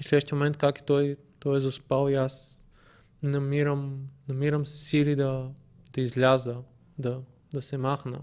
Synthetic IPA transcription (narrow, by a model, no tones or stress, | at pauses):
islʲɛʃt̪imomɛnt̪kaki̥t̪ɔjt̪ɔjɛzɐspalˠias | nɐmiɾəmnɐmiɾəmssilid̪ɐ | d̪̥ɐizlʲazə | d̪ɐ | d̪ɐsɛmaxnə̰